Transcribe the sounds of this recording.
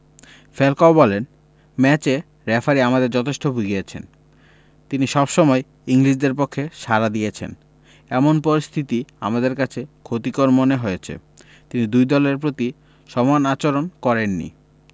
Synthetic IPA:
felkaobɔlen | mɛt͡ɕe | ɾɛfʰaɾiamad̪eɾd͡ʑɔt̪ʰeʃʈobʱuɡiet͡ɕʰḛn | t̪iniʃɔbʃɔmɔe | iŋɾiʃd̪eɾpokʰːeʃaɾad̪iet͡ɕʰḛn | ɛmonpoɾist̪ʰit̪ia̰mad̪eɾkat͡ɕʰekʰot̪ikoɾmoneɦojet͡ɕʰḛ | t̪inid̪ujd̪ɔleɾpɾot̪i | ʃɔmanat͡ɕoɾonkɔɾenːḭ

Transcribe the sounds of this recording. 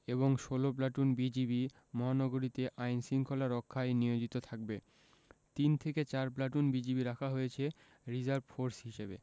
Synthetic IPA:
eboŋʃolop̬laʈunbid͡ʑibi | mɔɦanɔɡoɾit̪eʔajnsiŋkʰolaɾɔkʰːajnijod͡ʑit̪ot̪ʰak̚be | t̪int̪ʰeket͡ɕaɾp̬laʈ̬unbid͡ʑibiɾakʰaɦojet͡ɕʰe | ɾid͡ʑaɾbfoɾsɦiʃebḛ

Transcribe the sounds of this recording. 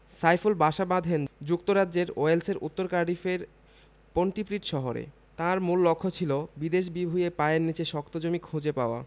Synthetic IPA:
sajfulbaʃabãd̪ʱend͡ʑuk̚t̪oɾadd͡ʑeɾoelseɾʔṵt̪ːoɾkaɾɖifeɾ | poɳʈipɾiʈʃɔɦoɾḛ | t̪ãɾmulːokʰːot͡ɕʰilobid̪eʃ̬bibʱujepaeɾnit͡ɕeʃɔkt̪od͡ʑomikʰːũd͡ʑepaoa̰

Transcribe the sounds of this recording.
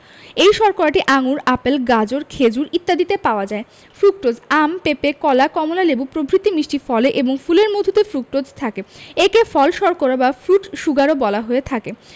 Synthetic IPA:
ejʃɔɾkoɾaʈiʔaŋuɾapelɡad͡ʑoɾkʰed͡ʑuɾit̪ːad̪it̪epaoad͡ʑae | fɾuk̚ʈod͡ʑampepekɔlakɔmolalebupɾobʱɾit̪ːimiʃʈifɔleʔeboŋfuleɾmod̪ʱut̪efɾuk̚ʈod͡ʑt̪ʰakeekefɔlʃɔɾkoɾabafɾuʈʃuɡaɾobɔlaɦoet̪ʰake

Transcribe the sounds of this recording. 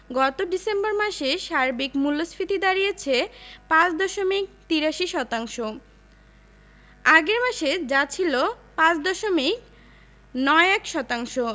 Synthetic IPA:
ɡɔt̪oɖisemboɾmaʃeʃaɾbikmulːospʰit̪id̪aɾijet͡ɕʰepãt͡ɕd̪ɔʃomik̚t̪iɾaʃiʃɔt̪aŋʃo | aɡeɾmaʃed͡ʑat͡ɕʰilo | pãt͡ɕd̪ɔʃomik̚ | nɔeɛkʃɔt̪aŋʃo

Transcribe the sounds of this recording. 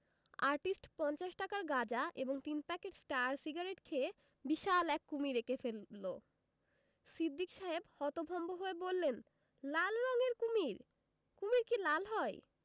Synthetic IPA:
aɾʈisʈpɔnt͡ɕaʃʈakaɾɡad͡ʑaʔeboŋt̪inpɛkeʈsʈaɾsiɡaɾeʈkʰe | biʃalɛkːumiɾekefelːo | sid̪ʱːikʃaɦebhɔt̪obʱɔmboɦoebolːen | lalɾɔŋeɾkumiɾ | kumiɾkilalɦɔe

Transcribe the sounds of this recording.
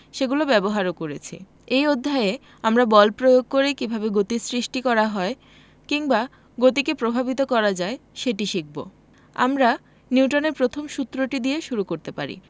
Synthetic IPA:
ʃeɡulobɛboɦaɾokoɾet͡ɕʰḭ | ejod̪ʱːae | amɾabɔlpɾojoɡ̚koɾekibʱabeɡot̪isɾiʃʈikɔɾaɦɔe | kiŋba | ɡot̪ikepɾobʱabit̪̬okɔɾad͡ʑaeʃeʈiʃik̚bo̰ | a̰mɾa | niuʈoneɾpɾot̪ʰomʃut̪ːɾoʈid̪ieʃuɾukoɾt̪epa̰ɾḭ

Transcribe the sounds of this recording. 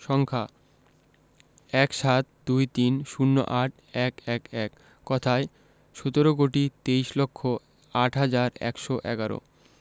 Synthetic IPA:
ʃɔŋkʰa | ɛkʃat̪̚d̪ujt̪inʃunːo̰ʔaʈ̚ʰɛkɛkɛkː | ɔt̪ʰae | ʃot̪oɾok̬oʈit̪eiʃlokʰːo | aʈɦad͡ʑaɾɛ̰kʃoʔɛɡaɾo̰

